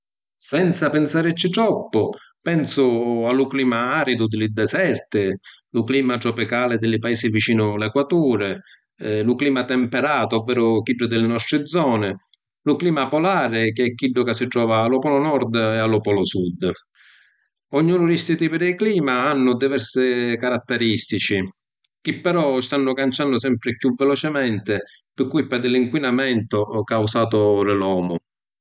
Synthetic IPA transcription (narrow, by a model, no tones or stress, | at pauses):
sɛnt̪sapɪnsaːɾɪt͡ʃːiʈ̪ɾɔpːʊ | pɛnsʊalʊkliːmaaːɾid̪ʊd̪ɪlɪd̪ɛsɛɾt̪ɪ | lʊkliːmaʈ̪ɾɔpɪkaːlɪd̪ɪlɪpaiːsɪvit͡ʃiːnʊlɛkwat̪uːɾɪ | lʊkliːmat̪ɛmpɛɾaːt̪ʊɔvːɛːɾʊkiɖːʊd̪ɪlɪnɔst̪ɾɪd̪zːɔːnɪ | lʊkliːmapɔlaːɾɪkɪɛkːiɖːʊkasːiʈ̪ɾɔːvaːlʊpɔlʊnɔɾd̪ɛalːʊpɔːlʊsud̪ː | ɔɲːunʊlist̪it̪ipid̪ɪkliːmaanːʊd̪ivɛɾsɪkaɾat̪ːɛɾist̪it͡ʃi | k̟ɪpːɛɾɔst̪anːʊkant͡ʃanːʊsɛmpɾɪkjuvːɛlɔt͡ʃɛmɛnt̪ɪ | pɪkːupːad̪ɪliŋkwinamɛnt̪ʊkawsaːt̪ʊlɪlɔːmʊ